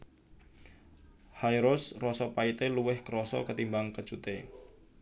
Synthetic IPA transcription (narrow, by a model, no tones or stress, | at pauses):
hajɾʊsrɔsɔpait̪eluwɪhkəɾɔsɔ̰kət̪imbaŋkət͡ʃut̪e